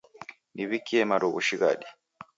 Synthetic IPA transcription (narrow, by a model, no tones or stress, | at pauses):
niβikiɛmaɾɔɣuʃiɣa̰ɗi